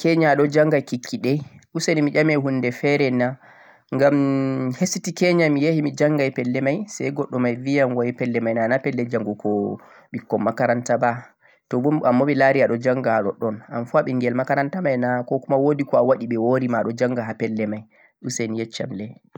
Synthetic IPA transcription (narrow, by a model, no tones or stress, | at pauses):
kɛɲaɗɔd͡ʒaŋɡajkikʰːiɗɛɗusenimid͡ʒamɛɦunːdɛfɛɾɛna | ŋɡamhesitikɛɲamijehimid͡ʒaŋɡajpɛlːɛmajsɛ̰jɡɔɗːɔmajvijamwajipɛlːɛmajnanapɛlːɛd͡ʒaŋɡukɔ | ɓikːɔmːakaɾantaba | tɔbumamːoɓɛlaɾiaɗɔd͡ʒaŋɡahaɗɔ̰ɗɔnanfuaɓɛŋɡɛlmakaɾantamajnakɔkumawodikɔawaɗiɓɛwoɾimaɗɔd͡ʒaŋɡaɦapɛlːɛmaj | ɗusenjɛt͡ʃːa̰mlɛ